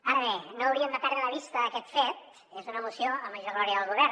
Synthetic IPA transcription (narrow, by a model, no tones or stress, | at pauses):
aɾəβenoəwɾiəmd̪əpɛɾələβist̪əːkɛt̪fet̪̚ | ezunəmusioəməʒoɾɣlɔɾiəðəlˠɣuβɛɾ